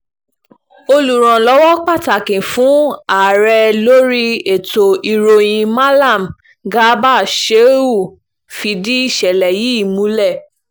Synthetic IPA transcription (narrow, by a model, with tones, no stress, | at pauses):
o˧lu˨ɾ̃ɔ̃˨lɔ˨˦wɔ˦k͡pa˦˨ta˨kĩ˨fũ˨˦a˨ɾɛ˧lo˦ɾi˦e˨to˨i˨ɾo˨j̃ĩ˧ma˦la˦˨m | ɡa˦ba˦˨ʃe˨˦u˦˨ | fi˧di˦i˦˨ʃɛ˨lɛ˨ji˨˦i˦˨mũ˨˦lɛ˦˨